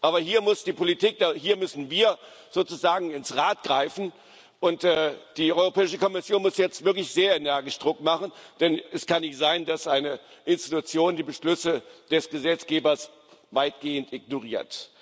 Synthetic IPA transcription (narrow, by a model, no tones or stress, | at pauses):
ʔaːbɐhiːɐmʊsd̥iːpʰolitiːk̚d̥ahiːɐmʏsn̩viːɐ | z̥oːt͡suzaːɡŋ̩ɪnsʁaːt̚ɡ̥ʁaɪfn̩ | ʔʊntɛːd̥iːʔɔʏʁopʰɛːɪʃəkʰɔmɪsjoːnmʊsjɛt͡stv̥ɪɐklɪçz̥eːɐenɛɐɡɪʃd̥ʁʊkmaχn̩d̥ɛnɛskʰanːɪçtz̥aɪndasʔaɪnəʔɪnsti̥tut͡sjoːndiːbəʃlʏsəd̥ɛsɡ̥əzɛt͡sɡ̥eːbɐs | vaɪtɡ̥eːəntʔɪɡ̚noʁiːɐt